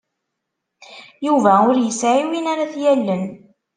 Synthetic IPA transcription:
juvæʊɾjəsʕiwinaɾaθjælːən

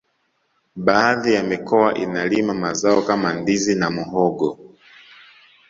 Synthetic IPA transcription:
baːðijamikɔaʔinalimamazaɔkamandizinamuɦɔɡɔ

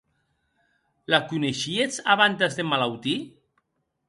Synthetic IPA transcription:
lakuneʃiet͡saβant̪azðemalawt̪i

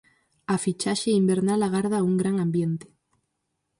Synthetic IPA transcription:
afit͡ʃaʃeimbeɾnalaɣaɾð̞auŋɡɾaŋãmbjent̪e̥

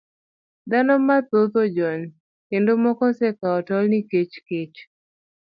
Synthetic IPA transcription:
d̪anɔmat̪ot̪od͡ʒɔn | kendomɔkɔsekaɔtɔlniket͡ʃket͡ʃ

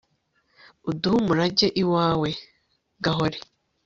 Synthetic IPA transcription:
uduhumuɾaɟe̞ʔiwaːwe | ɡaɦoɾe

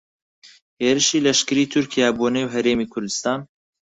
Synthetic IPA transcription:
heːɾɨʃiːlɐʃkɨɾiːt̪ʰʊɾkʰijaːbunewɦɐɾeːmiːkʰʊɾd̪ɨst̪ɑːn

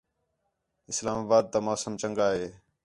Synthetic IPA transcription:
ɪslaːmaːbaːd̪̚t̪aːmoːsəmt͡ʃəŋɡaːɦeː

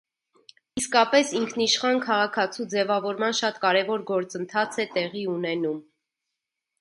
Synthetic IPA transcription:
iskɑpɛsiŋkʰniʃχɑnkʰɑʁɑkʰɑt͡sʰud͡zɛvɑvɔɾmɑnʃɑt̪kɑɾɛvɔɾɡɔɾt͡sənt̪ʰɑt͡sʰɛt̪ɛʁiunɛnum

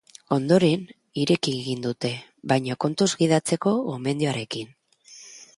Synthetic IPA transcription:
o̞nd̪o̞ɾe̞n | iɾe̞kieɣind̪ut̪e̞βajɲoko̞nt̪uzɡið̞at͡se̞ko̞ome̞nd̪ioaɾe̞kin

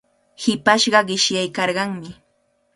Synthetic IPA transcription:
hɪpaʃɢɑɢɪʃjajkɑɾɢɑŋmɪ

